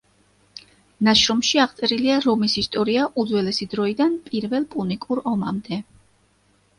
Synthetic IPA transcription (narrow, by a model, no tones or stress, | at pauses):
naʃɾɔmʃiaʁt̪sʼɛɾiliaɾɔmisist̪ʼɔɾiaʔud̪zwɛlɛsid̪ɾɔid̪anpʼiɾvɛlˠpʼunikʼuɾɔmamd̪ɛ